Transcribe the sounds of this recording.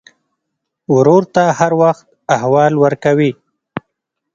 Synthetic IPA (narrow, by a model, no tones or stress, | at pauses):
wʊɾoɾt̪ahaɾwaxt̪̚ahwɑlwəɾkawi